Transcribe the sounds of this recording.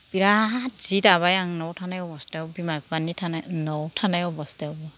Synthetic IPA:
piɾatz̥itaβajaŋnɔwtʰanajɔbɔstawbimajpanitʰanajnɔwtʰanajɔbɔstawbɔ

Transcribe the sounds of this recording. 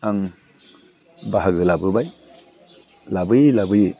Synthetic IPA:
aŋ | baɦaɡɯlabɯbaj | labɯjlabɯji

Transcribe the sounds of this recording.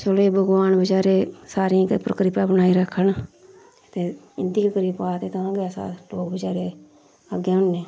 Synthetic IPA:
t͡ʃoleːbəɡʋaːnbəd͡ʒaːɾeːsaːɾĩːpɾəkɾɪpãːbənaːiːɾəkʰːən | t̪eː | ɪnd̪ikəkɾiːpaːt̪eːt̪ãɡaːsa̰ːloːkbəd͡ʒaːɾeː | əɡaːʊnneː

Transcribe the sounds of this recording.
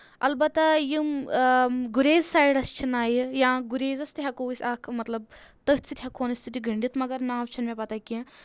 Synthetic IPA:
ɐ̰lbɐt̪ɐjɨm | ɡuɾeːzsaːjɽɐst͡ʃʰinaːjijãːɡuɾeːzɐst̪ɨɦɐkoːʋisʲaːkʰmɐt̪lɐb̚ | t̪ɐɦt͡sʰɨt̪ʲɦɐkʰoːnisʲt̪ut̪ʲiɡɐɳɖit̪mɐɡɐɾnaːʋt͡ʃʰɐnmẽpɐt̪akʲi

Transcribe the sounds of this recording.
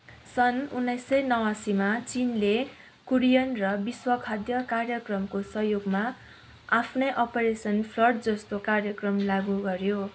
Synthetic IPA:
sʌnunːʌjsːʌjnʌwasimat͡sinle | kuɾijʌnrʌbiswʌkʰad̪jʌkarjʌkrʌmkosʌɦjoɡma | apʰnʌjʔʌpeɾesʌnpʰlʌrʈ̚d͡zʌst̪okarjʌkrʌmlaɡuɡʌrjo

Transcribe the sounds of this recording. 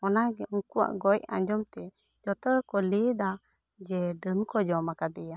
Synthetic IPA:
ɔnaɡɛʔɔŋkuwa̰ʔɡɔjã̰ɲd͡ʒɔmt̪ɛ | d͡ʒɔt̪əɽkɔlid̪a | d͡ʒɛɖəmkɔd͡ʒɔmakad̪ɛja

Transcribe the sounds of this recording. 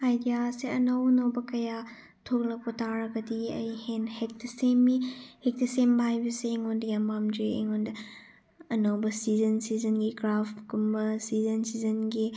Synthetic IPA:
hajdijaseɐnɐwnɐwbɐkɐja | tʰok̚lɐk̚pɐtaɾɐɡɐdiɐ̰jhenhek̚tɐsemihek̚tɐsembɐajbɐseːŋondɐjambamd͡ʒeḛŋondɐ | ɐnɐwbɐsizɐnsizɐnɡiɡɾafɡumbɐsizɐnsizɐnɡi

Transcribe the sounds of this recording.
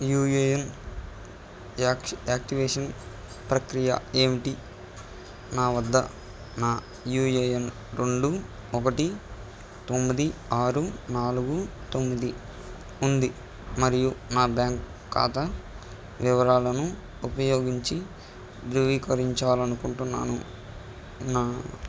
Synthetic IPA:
juːjejɐn | aːk̚ʈiʋeːʂɐn | pɾɐkɾijɐ̰eːmiʈi | naːʋɐd̪ːɐ̰ | naː | juːeːjɐn | ɾeɳɖu | ɔkɐʈi | t̪omːid̪iaːɾunaːluɡut̪o̞mːid̪i | und̪i | mɐɾijunaːbjaːŋkː | a̰ːt̪ɐ | ʋiʋɐɾaːlɐnu | upɐjo̞ːɡiɲt͡ʃi | d̪ɾuʋiːkɐɾiɲt͡ʃaːlɐnukuɳʈunːa̰ːnṵ | naː

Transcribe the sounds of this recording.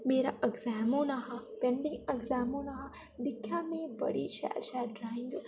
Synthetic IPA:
meːɾaʔɐɡzaːmonɐɦɐpẽɳɖĩŋɡɐɡzaːmonɐɦɐ | d̪ikʰːjaːmẽbɐ̰ɽḭʃa̰ːt͡ʃaːʈɾaɦĩnd̪u

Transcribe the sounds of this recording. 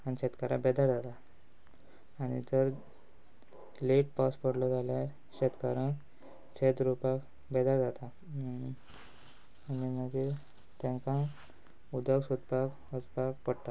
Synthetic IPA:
aniɕɛt̪kaɾãbɛd̪aɾd͡zat̪a | ñḭt̪əɾ | leʈ̚paspəɽlɔd͡zalja | ɕet̪kaɾã | ɕet̪ɾupak | bɛd̪aɾd͡zat̪a | aninaki | t̪ɛ̃ŋkã | ud̪əɡsud̪pak | əspak̚pəɽt̪a

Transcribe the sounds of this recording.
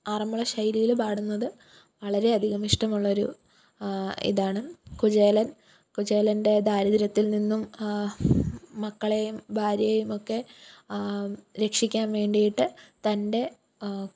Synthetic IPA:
aːrɐmuɭɐɕɐjlijilbaːɽunːɐðɨ | ʋɐɭɐɾe̞ɐd̪ʱiɣɐmiʂʈɐmuɭːɐo̞ɾṵ | ḭðaːɳɨkud͡ʑeːlɐn | kud͡ʑeːlɐnde̞d̪aːɾɐðiɾɐt̪ːilninːum | ɐkːɐɭejumbʱaːɾjɐjejumo̞kːe̞ | ɾe̞kʂikʲːaːnʋe̞ːɳɖijiʈːɨt̪ɐnde̞

